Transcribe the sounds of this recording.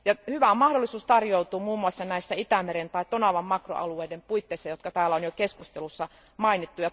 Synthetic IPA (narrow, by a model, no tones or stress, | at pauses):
jɑhyʋæmɑhdolːˑisuːst̪ɑrjout̪uːmuːmːuɑsːɑnæisːæit̪æmeɾent̪ɑit̪onɑʋɑmːɑkro̰ɑ̰lueidempuit̪ːeˑisːɑjot̪kɑt̪æːlːæonjokeskust̪elusːɑ | mɑinit̪ːujɑ